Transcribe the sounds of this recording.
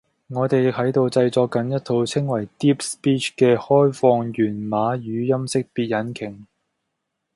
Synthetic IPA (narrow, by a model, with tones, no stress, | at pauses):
ŋɔː˨˧t̪e˨jɪ˨k̚hɐ˨˥jt̪o˧wt͡sɐ˧jt͡sɔː˧kːɐ˨˥njɐ˥t̪ʰo˨˧wt͡sʰɪ˥ŋwɐ˨˩jt̪iː˥p̚spiː˥t͡ʃʰkɛː˧hɔː˥jfɔː˧ŋjyː˨˩nmaː˨˧jyː˨˧jɐ˥msɪ˥k̚piː˧t̚jɐ˨˥nkʰɪ˨˩ŋ